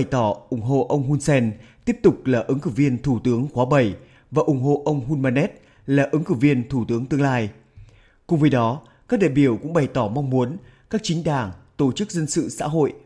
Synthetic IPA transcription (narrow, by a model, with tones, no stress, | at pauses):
jt̪ɔ˧˩ʔʊ˨˧˩ŋ͡mɦo̰˧˨ʔə˧wŋ͡mɦu˧nsɛ˧nt̪i˦˥əp̚t̪ʊ˨˩k͡p̚laː˨˩ʔɨ˨˦ŋkɨ˧˩vi˧ənt̪ʰu˧˩t̪ɨ˨˦əŋxwaː˨˦ɓə˨˩j | vaː˨˩ʔʊ˨˧˩ŋ͡mɦo̰˧˨ʔə˧wŋ͡mɦu˧nmaː˧nɛ˦˥t̚ | laː˨˩ʔɨ˨˦ŋkɨ˧˩vi˧ənt̪ʰu˧˩t̪ɨ˨˦əŋt̪ɨ˧əŋlaː˧j | kʊ̰˨˩ŋ͡mvə˨˦jɗɔ˨˦ | kaː˦˥k̚ɗḭ˧˨ɓi˧˩əwkʊ̰˧˥ŋ͡mɓə˨˩jt̪ɔ˧˩ma˧wŋ͡mmu˨˦ən | kaː˦˥k̚t͡ɕï˨˦ŋ̟ɗaː˨˩ŋt̪o˧˩t͡ɕɨ˦˥k̚zə˧nsɨ̰˧˨sa̰ː˧˥ɦo̰˧˨jʔ